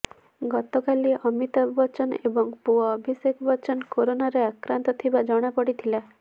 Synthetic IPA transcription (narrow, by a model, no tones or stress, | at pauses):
ɡɔt̪ɔkaliɔmit̪ɔbbɔt͡ʃɔnebɔŋpuɔːbʱisekbɔt͡ʃɔnkoɾonaɾeakɾant̪ɔt̪ʰibad͡ʒɔɽ̃apɔɽit̪ʰila